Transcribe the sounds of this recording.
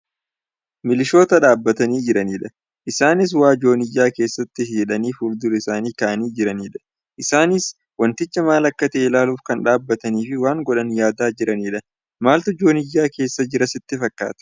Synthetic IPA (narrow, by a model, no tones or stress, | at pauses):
mɪlɪʃo̞ːt̪ɐᶑaːbːɐt̪ɐniːd͡ʒɪɾɐniːᶑɐ | ʔɪsaːnɪs̬waːd͡ʒo̞ːnɪjːaːke̞ːsːɐt̪ːɪɦiːᶑɐniːfʊɾd̪ʊlɪsaːniːkɐʔɐniːd͡ʒɪɾɐniːᶑɐ̥ | ʔɪsaːnɪs | wɐnt̪ɪt͡ʃːɐmaːlɐkːɐt̪ɐʔeɪlaːluːfkɐnᶑaːbːɐt̪ɐniːfɪwaːŋɡɔᶑɐnjaːd̪aːd͡ʒɪɾɐniːᶑɐ | maːlt̪ʊd͡ʒo̞ːnɪjːaːke̞ːsːɐd͡ʒɪɾɐsɪt̪ːɪfɐkːa̰ːt̪ɐ̥